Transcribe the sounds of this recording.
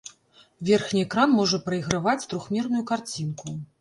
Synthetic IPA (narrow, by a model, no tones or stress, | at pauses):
vʲɛrxnʲiɛkɾanmɔʐɐpɾɐjɣɾavat͡sʲt̪ɾuxmʲɛrnujukart͡sʲinku